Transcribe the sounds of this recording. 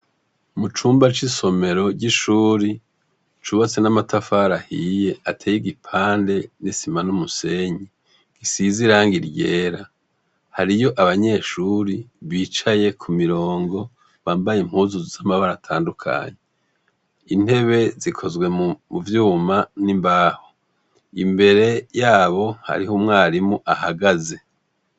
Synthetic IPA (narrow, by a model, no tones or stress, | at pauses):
mut͡ʃuːmbat͡ʃiso̞me̞ɾo̞ɟiʃuːɾi | t͡ʃuβat͡senamatʰafaːɾahije̞atʰeːjiɡipʰaːnde̞nisimanumuse̞ɲi | ɡ̥isiziɾaːŋɡiɾɟeːɾa | haɾijo̞ʔaβaɲe̞ʃuɾiβiːt͡ʃaje̞kʰumiɾoːŋɡo̞ | βaːmbajeim̥huzuzzamaβaɾatʰaːndukʰa̰ɲe | in̥e̞βe̞zikʰo̞zɡwe̞muvjuːmanimbaːho | imbe̞ɾe̞jaːβo̞ha̰ɾiɦomŋaːɾimuʔahaɡaze̞